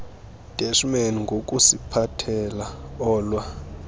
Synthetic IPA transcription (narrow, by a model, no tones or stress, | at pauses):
d̥ʼɛʃmɛniŋɡʱok̬ʼusipʰatʰɛlaɔːlwa